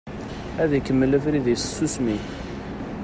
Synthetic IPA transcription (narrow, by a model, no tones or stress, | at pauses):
æðikəmːələfɾiðissːusmi